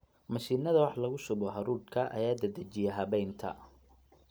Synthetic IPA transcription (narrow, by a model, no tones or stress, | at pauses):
mɐʃiːnɐðɐwɑħlɐɣʊsʊβɔɦɐɾuːkʰɐʔɐ̰jaːd̪ɐd̪ɐt͡ʃɪjɛɦɐβɛjnt̪ʰɐ̰